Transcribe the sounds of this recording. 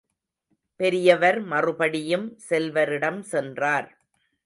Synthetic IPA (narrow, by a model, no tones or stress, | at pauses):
pɛɾɪjɐʋɐɾmɐrɯbɐɽɪjɯmsɛlʋɐɾɪɽɐmsɛndraːɾ